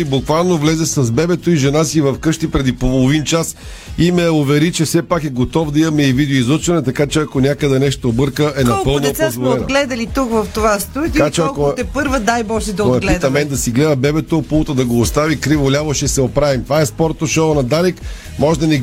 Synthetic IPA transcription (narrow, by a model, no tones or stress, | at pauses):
ibukvalˠnovlɛzɛsɐzbɛbɛt̪oiʒɛnasiːvɐfkɤʃt̪ipɾɛd̪ipolˠovint͡ʃas | imɛovɛɾit͡ʃɛfsɛpakɛɡot̪ɔvd̪ɐimɐmɛivid̪ɛoizɔt͡ʃvɐnɛt̪ɐkat͡ʃɛɐkonʲjakəd̪ɛnɛʃt̪oːbɤɾkəʔɛnɐppɤlˠnoozvolɛnoɡlɛd̪ɐlit̪ukvɐft̪ovast̪uɐkat͡ʃɛɐkot̪ɛpɤɾvəd̪ajbɔʃɛd̪ɐoɛlit̪ɐmɛnd̪ɐsiɡlɛd̪əbɛbɛt̪opolˠot̪əd̪ɐɡoːst̪avikɾivolʲavɐʃɛsɛopɾavimt̪vaɛspɔɾt̪oʃonɐd̪alik | mɔʒd̪ɐnɛɡ